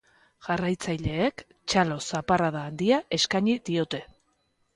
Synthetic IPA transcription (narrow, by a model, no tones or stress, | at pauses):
ʝ̥arajt͡sajʎe̞ːk | t͡ʃalo̞saparaðaːnd̪iaʔe̞skaɲiðio̞t̪e̞